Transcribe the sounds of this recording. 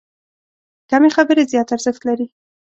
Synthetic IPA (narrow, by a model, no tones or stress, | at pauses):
kamexabəɾezjɑt̪aɾz̥ɪxt̪laɾi